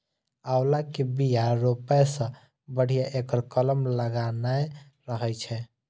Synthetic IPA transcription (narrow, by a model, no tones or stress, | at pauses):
awlakebijaɾopɛsə̃ | bəɽ̤ijaʔekəɾkələmləɡanaj | ɾəɦəjt͡ʃʰɛ